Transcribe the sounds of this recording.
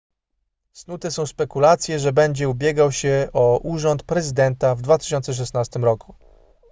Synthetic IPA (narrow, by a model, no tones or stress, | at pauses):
snut̪ɛsɔ̃w̃spɛkulat̪sʲjɛʐɛbɛɲd͡ʑɛubʲjɛɡawɕɛɔʔuʐɔnt̪̚pɾɛzɘd̪ɛnt̪avd̪vat̪ɘ̥ɕɔnt̪sɛʂ̬ɛsnast̪ɘmɾɔkʰu̥